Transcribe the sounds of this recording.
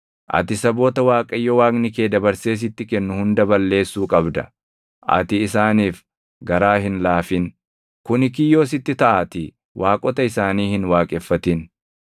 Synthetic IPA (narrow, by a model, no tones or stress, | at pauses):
ʔɐ̰t̪ɪsɐbo̞ːt̪ɐwaːkʼɐjːɔwaːknɪke̞ːd̪ɐbɐɾse̞ːs̬ɪt̪ːɪkɛnːʊhʊnd̪ɐbɐlːe̞ːsːuːkʼɐbd̪ɐ | ʔɐ̰t̪ɪːsaːniːf | ɡɐɾaːhɪnlaːfɪn | kʊnɪk̬ɪjːo̞ːs̬ɪt̪ːɪt̪ɐʔaːt̪ɪ | wʔaːkʼɔt̪ɐɪsaːniːhɪnwaːkʼɛfːɐt̪ɪn